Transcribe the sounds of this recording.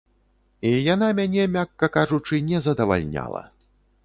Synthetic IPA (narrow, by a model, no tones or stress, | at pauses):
ijanamʲanʲɛmʲakːɐkaʐut͡ʂɨnʲɛzɐd̪ɐva̰lʲnʲa̰lˠɐ̰